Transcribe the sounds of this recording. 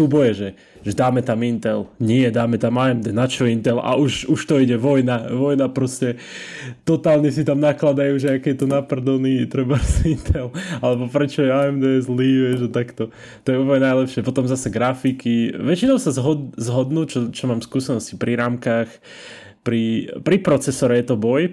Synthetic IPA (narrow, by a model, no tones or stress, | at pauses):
suːbɔjɛʒɛ | ʒɛd̪aːmɛt̪amint̪ɛlɲɪɛd̪aːmɛt̪amaɛmd̪ɛnat͡ʃɔint̪ɛla̰ʔuʃuʃt̪ɔiɟɛʋɔjnaʋɔjnapɾɔscɛ | t̪ɔt̪aːlɲɛsit̪amnaklad̪ajuːʒɛakɛɛt̪ɔnapr̩d̪ɔniːt̪ɾɛbaɾsint̪ʰɛlalɛbɔpɾɛt͡ʃɔjɛaɛmd̪ɛzliːʋɛʒat̪akt̪ɔ | t̪ɔjɛuːplɲɛnajlɛpʃɪɛpɔt̪ɔmzasɛɡɾafikiʋɛt͡ʃinɔʊsazɦɔd̪zɦɔd̪nuːt͡ʃɔt͡ʃɔmaːmskuːsɛnɔscipɾʔiɾaːmkaːx | pɾipɾipɾɔt͡sɛsɔɾɛjɛt̪ɔbɔj